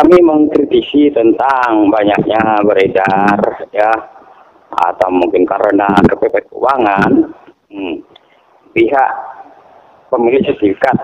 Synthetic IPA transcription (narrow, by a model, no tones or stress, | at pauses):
kamiməŋkɾit̪isit̪ənt̪aŋbaɲak̚ɲabəɾedarja | a̰t̪awmuŋkɪnkaɾənakəpepɛt̪̚ṵwaŋan | piɦaʔ | pəmilɪsət̪ifikat̪̚